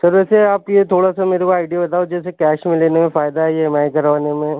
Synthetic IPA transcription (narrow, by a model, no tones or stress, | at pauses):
sɐɾʋɛːseaːpjet̪ʰoːɽasameːɾekoaːɪɖijabɐt̪aːod͡ʒɛːsekɛːʃmẽleːnemẽfaːjd̪amɛ̃ːkɐɾʋaːnemẽ